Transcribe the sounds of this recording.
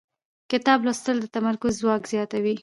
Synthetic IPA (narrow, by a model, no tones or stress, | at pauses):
kɪt̪ɑblost̪əld̪ət̪amaɾkʊzːwɑkz̥jɑt̪awi